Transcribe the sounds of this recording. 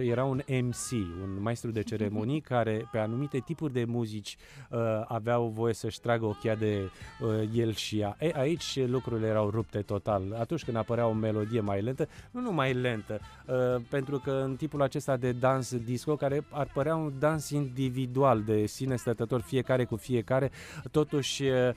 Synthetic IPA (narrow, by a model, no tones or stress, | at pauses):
je̞ɾaunemsiunmaest̪ɾud̪e̞t͡ʃe̞ɾe̞mo̞nijkaɾe̞pe̞anumit̪e̞t̪ipurʲd̪e̞muzit͡ʃʲ | əaveawvo̞je̞səʃʲt̪ɾaɡəo̞kʲead̪e̞əje̞lʃijaʔejʔait͡ʃʲlukɾuɾilejeɾawrup̚t̪e̞t̪o̞t̪alat̪unt͡ʃʲkɨnd̪apəɾeao̞me̞lo̞d̪ije̞majle̞nt̪ənunumajle̞nt̪ə | əpe̞nt̪ɾukəɨnt̪impulat͡ʃe̞st̪ad̪e̞d̪ansd̪isko̞kaɾe̞arpəɾeaund̪ansind̪ivid̪uald̪e̞sine̞st̪ət̪ət̪o̞rfie̞kaɾe̞kufije̞kaɾe̞t̪o̞t̪uʃʲ